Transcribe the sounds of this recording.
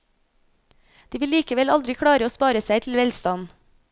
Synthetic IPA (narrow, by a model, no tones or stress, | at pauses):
d̪̥iːʋɪliːkəʋɛlɑld̪ɾɪkʰɽɑːɾəoːspɑːɾəsæɪt̪ʰl̩ʋɛlst̪ɑn